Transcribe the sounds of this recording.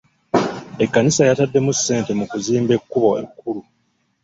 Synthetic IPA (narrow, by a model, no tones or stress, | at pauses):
e̞kːanisajatadːe̞musːe̞ːnte̞mukuziːmbe̞kːuβo̞ekːulu